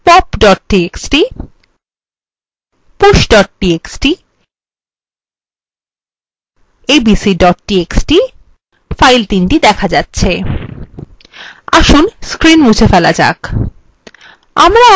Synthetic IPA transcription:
pɔpɖɔʈ̚ʈieksʈi | puʃɖɔʈ̚ʈieksʈi | ebisiɖɔʈ̚ʈieksʈi | fajlt̪inʈid̪ɛkʰad͡ʑatːɕʰe | aʃunskɾinmud͡ʑʰefɛla̰d͡ʑa̰k | a̰mɾa

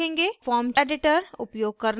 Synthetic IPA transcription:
ẽːŋɡefɔːɾmt͡ʃɛːɖɪʈəɾʊpjoːɡ̚kɐɾn

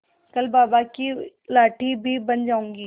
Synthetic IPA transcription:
kəlbaːbaki | laːʈiːbʱiːbənd͡ʒaːũːŋɡiː

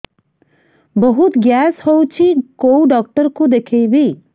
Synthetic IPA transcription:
bɔɦut̪ɡjashɔwt͡ʃʰikowɖɔk̚ʈəɾkud̪ekʰejbi

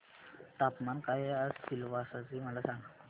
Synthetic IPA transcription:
t̪apmankaɦjeəsɕilʋasat͡siməlasaŋɡə

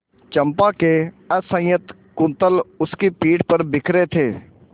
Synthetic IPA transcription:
t͡ʃɐ̃mpake | əsə̃jət̪ | kʊ̃nt̪əlʊskipiːʈpəɾbɪkʰɾet̪ʰeː

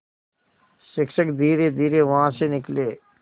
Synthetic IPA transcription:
ʃɪkʃəkd̪iːɾed̪iːɾeʋɐɦãsenɪkleː

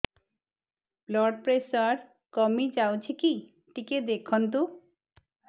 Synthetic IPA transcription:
blɔɖpɾesɔɾ | kɔmid͡ʒawt͡ʃʰiki | ʈiked̪ekʰɔnt̪̬u

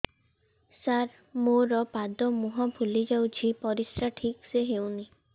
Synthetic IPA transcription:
saɾ | moɾɔpad̪ɔmuɦɔ̃bʱulid͡ʒawt͡ʃʰipɔɾisɾaʈʰikseɦewni

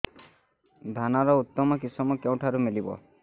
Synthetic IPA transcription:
d̪ʱanaɾɔut̪ːɔmɔkisɔmɔkew̃ʈʰaɾumilibɔ̰

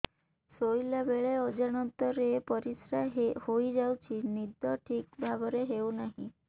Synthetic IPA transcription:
sojlabeɭeɔd͡ʒaɽ̃ɔnt̪ɔɾepɔɾisɾahojd͡ʒawt͡ʃʰinid̪ɔʈʰik̚bʱabɔɾeɦewnaɦḭ̃

